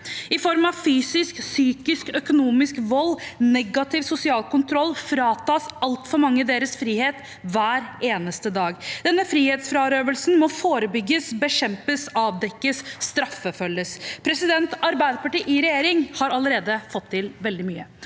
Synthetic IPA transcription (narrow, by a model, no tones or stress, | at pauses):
ɪfɔɾmɑʋfyːsɪsksyːkɪskœkʊnuːmɪskʋɔlːnɛɡɑt̪ʰɪʋsʊsɪɑːlkʊnt̪ʰɾɔlːfɾɑːt̪ɑːsɑlt̪fɔɾmɑŋːəd̪eːɾəsfɾiːheːt̪ | ʋæːɾeːnəst̪əd̪ɑːɡd̪ɛnːəfɾiːheːt̪sfɾɑːɾøːʋəlsn̩mɔfoːɾəbʏɡːəsbəɕɛmpəsɑːʋd̪ɛkːəsːt̪ɾɑfəfœlːəspʰɾɛsɪd̪ɛnt̪ɑɾbæɪd̪əpɑʈiːʔɪɾɛjeːɾɪŋhɑɾɑləɾeːd̪əfɔt̪ʰːɪlʋɛld̪ɪmyːə